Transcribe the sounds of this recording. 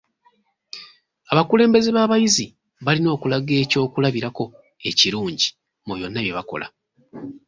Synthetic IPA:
aβakule̞ːmbe̞zeβaːβajizi | βalino̞ːkulaɡe̞ːco̞ːkulaβiɾako̞ | e̞ciɾuːɲɟi̥ | mojo̞nːaβje̞βako̞̰la̰

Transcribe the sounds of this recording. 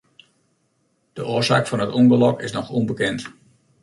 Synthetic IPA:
d̥əʔoəsa̰ːkfɔnɦətɔnbəlɔkɪ̰snɔxɔnbəkɛnt

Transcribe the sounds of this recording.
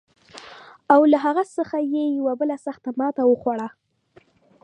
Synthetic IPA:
awlaɦaɣasəxajejawabəlasaxt̪amɑt̪awəxwaɽa

